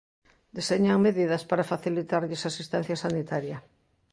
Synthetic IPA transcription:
d̪iseɲaŋmeðiðɐspaɾafaθilit̪aɾʎɪsasist̪ɛn̟θjɐsanit̪aɾjɐ

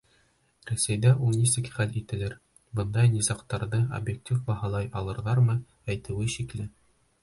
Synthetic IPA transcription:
ɾæsæjd̪æʔulˠnʲisɘkχælit̪ɘ̆lɘɾ | bɤ̆nd̪ɑjnʲisɑqt̪ɑɾðɤo̰bjek̚tʲifbɑhɑlˠɑjɑlˠɤ̆ɾðɑɾmɤ | æjt̪ɘ̆wɘɕiklɘ

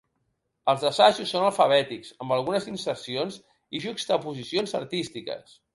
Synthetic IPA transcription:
əlˠzðəsaʃusːonəlˠfəβ̞ɛt̪ikz̥əmbəlˠɣunəzinsəɾsionz | iʒukst̪əpuzisionzə̰ɾt̪ist̪ikə̰s

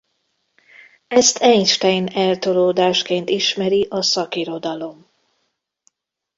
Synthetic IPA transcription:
ɛst̪ʰɛɲʃt̪ɛjnɛlt̪o̞loːd̪aːʃkeːnt̪iʃmɛɾiʔɒsɒkiɾo̞d̪ɒlo̞m

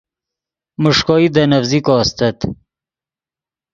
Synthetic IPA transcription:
mʊʂkɔːid̪ənɐfzikɔːst̪ɐt̪

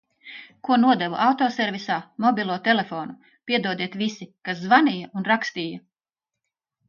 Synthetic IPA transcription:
kuɔnuɔd̪ɛvuʔawt̪ɔːsɛɾvʲisaːmɔbʲilˠuɔt̪ɛlefɔːnu | pʲiɛd̪uɔd̪iɛt̪ʋisikaszvanijaʔunɾakst̪iːjɐ

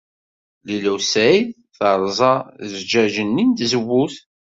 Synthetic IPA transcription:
lilæwsæjθ | θəɾˤzˤɑzd͡ʒæʒənːint̪zəwːuθ

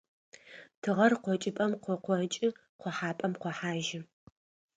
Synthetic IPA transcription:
tʰɨʁɐrqʷɔt͡ʃʼɪpʼɐmqʷɔqʷɔt͡ʃʼɪ | qʷɔħaːpʼɐmqʷɔħaːʒɪ

